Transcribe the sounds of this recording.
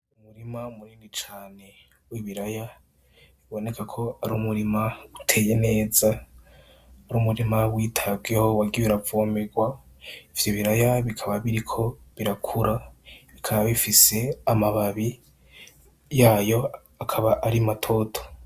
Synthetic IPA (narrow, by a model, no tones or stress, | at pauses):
umuɾimamuɾiːndit͡ʃaːne̞ | wiβiɾaja | βiβo̞ne̞kʰakʰo̞aɾuːmuɾimaɡutʰe̞ːje̞ne̞ːza | aɾuːmuɾimawiːtʰabɡeho̞waɡiβiɾavomeɡwa | iv̥joβiɾajaβikʰaβaβiɾikʰo̞βiɾakʰuɾʔaβikʰaβaβifise̞amaβaβi | jaːjo̞ | akʰaβaʔaɾimatʰo̞tʰo̥